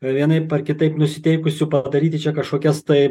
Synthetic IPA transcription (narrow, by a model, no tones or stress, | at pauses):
ʋʲiɛnɐɪpɐrkʲɪt̪ɐɪpnʊsʲɪt̪ʲɛɪkʊsʲʊpɐd̪ɐɾʲiːt̪ʲɪt͡ʃʲɛkɐʃkoːkʲɛst̪ɐɪ